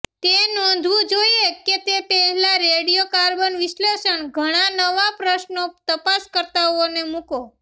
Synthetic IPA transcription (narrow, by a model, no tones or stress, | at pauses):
t̪enɔ̃nd̪ʱʋũd͡ʒoieket̪epɛɦɛlaɾeɽijokaɾbənʋiʃleʃəɳɡʱəɽ̃anəʋapɾəʃnot̪əpaskəɾt̪aɦonemũko